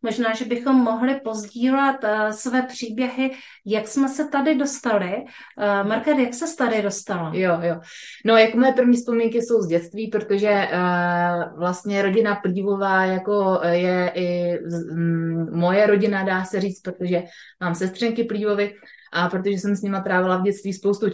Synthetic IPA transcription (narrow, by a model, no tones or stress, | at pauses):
mo̞ʒnaːʒɛbɪxo̞mːo̞ɦlɪpo̞zɟiːlɛt̪svɛːpr̝̥iːbjɛɦɪ | jaksmɛsɛt̪adɪdo̞st̪alɪ | maɾkadjaksɛst̪adɪdo̞st̪aljojono̞jakomojɛpr̩vɲiːfspo̞miŋkɪso̞wzɟɛt̪t͡st̪viːpɾot̪o̞ʒɛ | vlast̪ɲɛɾo̞ɟɪnapliːvo̞vaːjako̞jɛʔɪ | mo̞jɛɾo̞ɟɪnadaːsɛriːt͡st̪pɾot̪oʒɛ | maːmsɛst̪r̥ɛŋkɪpliːvo̞vɪ | ʔapɾot̪oʒɛsɛmsɲɪmat̪ɾaːvɪlavɟɛt̪t͡st̪viːspo̞wst̪u